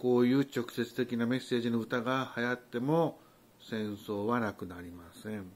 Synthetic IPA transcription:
ko̞ːjɯ̟ːt͡ɕo̞kɯ̟̥se̞t͡sɨ̥t̪e̞kʲiname̞se̞ːʑinoɯ̟t̪aɡahajat̪ːe̞mo̞ | sẽ̞ɰ̃so̞ːβanakɯ̟naɾʲimasẽ̞ɴ

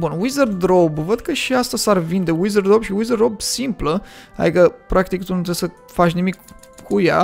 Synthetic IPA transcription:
bunwizərd̪ɾobvəd̪kəʃiast̪asarvind̪ewizərd̪ɾobʃiwizərd̪ɾobsimpləa̰d̪ikəpɾakt̪ikt̪unut̪ɾesə | fat͡ʃnimik | kʰuja̰

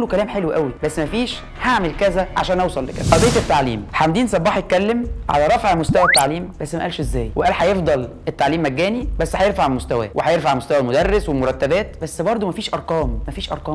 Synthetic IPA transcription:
lːokælæːmħelwʔæwibæsːmæfiːʃ | haʕmelkæzæʕa̰ʃæːnʔɑwsˤɑlːḛkæ̰zʔɑd̪ˤeːt̪et̪ːaʕlḭːmħamd̪iːnsˤɑbːɑːħjet̪̚kælːemʕa̰læɾˤɑfʕmost̪æwæt̪ːaʕliːmbæsːmæʔælʃezːæːjweʔæːlħɑjefd̪ˤɑl | et̪ːaʕliːmʔæɡːæːnibæsːhæjeɾfaʕelmost̪æwæ̰wʔeħæjeɾfaʕmost̪æwælmod̪ærˤːeswelmoɾˤɑt̪ːæbæːt̪bæsːbɑɾˤd̪ˤomæfiːʃʔɑɾˤqɑːmːæfiːʃʔɑ̰ɾˤqɑː

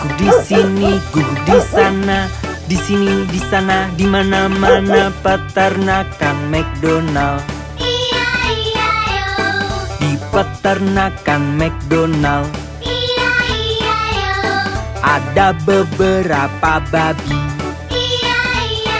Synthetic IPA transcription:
disiniɡudisana | disinidisanadimanamanapət̪ərnakanmɛk̚donal | dipət̪ərnakanmɛk̚donal | ʔadabəbəɾapababi

